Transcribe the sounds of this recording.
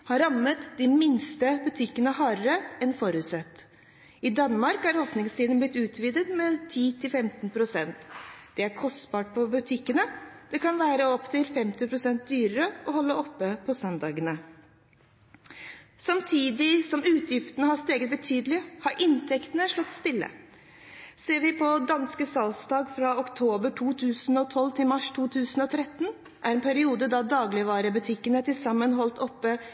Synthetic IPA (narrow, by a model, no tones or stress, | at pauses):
hɑɾɑmːət̪d̪ɪmɪnst̪əbʉt̪ʰɪkːənəhɑːɾəɾəɛnfɔɾʉt̪sɛt̪ː | ɪd̪ɑnːmɑɾkæɾoːpnɪŋst̪iːd̪ənblɪt̪ːʉːt̪ʰʋiːd̪ət̪mɛt̪ʰiːt̪ʰɪlfɛmt̪ənpʰɾʊsɛnt̪d̪̥ɛæɾkʰɔst̪bɑːʈ̚pʰɔbʉt̪ʰɪkːənəd̪̥ɛkɑnʋæːɾəɔpːt̪ʰɪlfɛmt̪ɪpʰɾʊsɛnt̪̚d̪yːɾəɾəʔɔhɔlːəʔɔpːəpʰɔsœnd̪ɑːɡənə | sɑmt̪ʰiːd̪ɪsɔmʉːt̪ʰjɪft̪ənəhɑst̪eːɡət̪̚bət̪ʰyːd̪lɪhɑɾʔɪnt̪ʰɛkt̪ənəʂɭɔt̪ːst̪ɪlːə̰ | seːɾʋɪpʰɔd̪ɑnskəsɑlsd̪ɑːɡfɾɑɔkt̪ʰoːbəʈʰuːt̪ʰʉːsnɔt̪ʰɔlːt̪ʰɪlmɑʂt̪ʰuːt̪ʰʉːsənɔt̪ʰɾɛt̪ːn | ʔæɾɛnpʰæɾɪuːd̪əd̪ɑd̪ɑːɡlɪʋɑːɾəbʉt̪ʰɪkːənəæʈɪlsɑmːənɦɔlt̪ɔpːə